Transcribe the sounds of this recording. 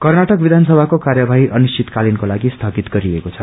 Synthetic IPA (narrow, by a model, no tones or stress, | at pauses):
kʌrnaʈʌk̚bid̪ʱansʌbʱakokarjabʱaɦiʔʌnusit̪kalinkolaɡist̪ʰʌɡit̪ɡʌɾiekot͡sʰʌ